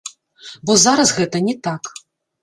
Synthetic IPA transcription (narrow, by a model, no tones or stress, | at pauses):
bɔzaɾɐsɣɛt̪ɐnʲɛt̪ak